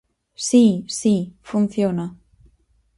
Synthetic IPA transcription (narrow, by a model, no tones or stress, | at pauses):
sisifun̟θjona